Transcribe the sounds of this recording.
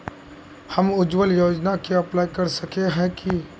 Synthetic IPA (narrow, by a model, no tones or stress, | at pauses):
hɐmʊd͡ʒwəljoːd͡ʒnakiɐplaːjkɐɾsɐkeɦɛ̃ki